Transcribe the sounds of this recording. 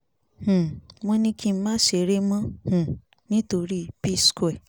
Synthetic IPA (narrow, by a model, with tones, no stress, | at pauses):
h̩˨mɔ̃˧nĩ˧kʰĩ˦m̩˦mã˦ʃe˨ɾe˦mã˦h̩˨ | nĩ˦to˧ɾi˦˨pi˦skɛ˨